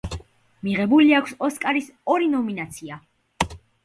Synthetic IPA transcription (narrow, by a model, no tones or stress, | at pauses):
miʁɛbuliakʷʰsɔskʼaɾisɔɾinɔminat̪sʰia